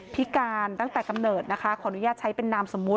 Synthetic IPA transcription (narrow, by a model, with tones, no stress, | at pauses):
pʰi˦˥kaː˧nt̪a˥˩ŋt̪ɛː˨˩ka˧mnɤː˨˩t̪̚na˦˥kʰa˦˥kʰɔː˩˦ʔa˧nu˦jaː˥˩t̪̚t͡ɕʰa˦˥jpe˧nːaː˧mso˩˦mːu˦˥t̚